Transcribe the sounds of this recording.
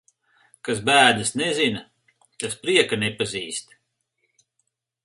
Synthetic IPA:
kas̬bæːd̪ɨsnezin | t̪aspɾiɛkanɛpaziːst̪

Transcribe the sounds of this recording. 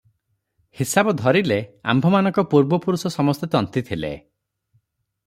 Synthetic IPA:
hisabɔd̪ʱɔɾilea̰mbʱɔmanɔ̃ŋkɔpuɾbɔpuɾusɔsɔmɔst̪et̪ɔnt̪it̪ʰilḛ

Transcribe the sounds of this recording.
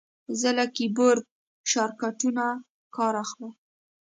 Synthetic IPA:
zəlakiboɾd̪̚ | ʃɑɾkaʈuna | kɑɾaxlə

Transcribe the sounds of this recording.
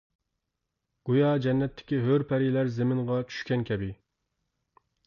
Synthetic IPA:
ɡ̥ujɑd͡ʒɛnːɛt̪ʰːɪ̥kʲiɦøɾpʰɛɾilæɾzemɪŋʁɑt͡ʃʰy̥ʃkʲɛnkʲʰɛbɪ

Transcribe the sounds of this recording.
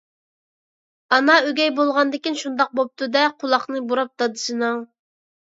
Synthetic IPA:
ɑnɑøɡʲɛjbolˠʁɑnd̪ɪkʲinʃund̪ɑq̚bop̚t̪ʰud̪ɛqʰʊlˠɑχnɨbuɾɑp̚t̪ɑd̪ɨʃɨnɨŋ

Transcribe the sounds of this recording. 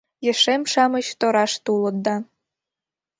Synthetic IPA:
jə̆ʃemʃɑmə̆t͡ɕt̪oɾɑʃt̪ulə̆t̪̚d̪ɑ

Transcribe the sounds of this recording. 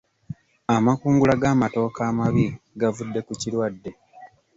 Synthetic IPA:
amakuːŋɡulaɡaːmato̞ːkaːmaβi | ɡavudːe̞kucilwadːe̞

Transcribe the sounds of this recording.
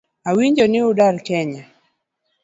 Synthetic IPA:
awiɲd͡ʒɔnɪʊdaɾkɛɲa

